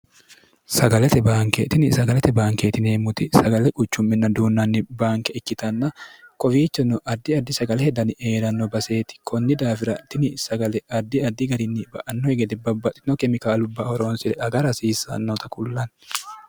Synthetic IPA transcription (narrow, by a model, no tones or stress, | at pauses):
sɐɡɐlɛt̪ɛbaːŋket̪ɪnɪsɐɡɐlɛt̪ɛbaːŋkeːt̪ɪneːmːʊt̪ɪsɐɡɐlɛkʼʊt͡ʃːʊmːɪnːɐd̪uːnːɐnːɪbaːŋkɛɛkːɪt̪ɐnːɐkɔfiːt͡ʃːɛnːɔʔɐd̪ːɪɐd̪ːɪsɐɡɐlɛhɛd̪ɐnɪʔeːɾɐnːɔbɐse̞ːt̪ɪ̥kʰɔnːɪd̪aːfɪɾɐt̪ɪnɪsɐɡɐlɛɐd̪ːɪɐd̪ːɪɡɐɾɪnːɪbɐ̰ʔɐnːɔɛɡɛd̪ɛbɐbːɐt̪ɪnɔkɛmɪkaːlʊbːaːhɔɾoːnsɪɾɛɐɡɐɾɐsiːsɐ̰nːɔt̪ɐkʊlːɐn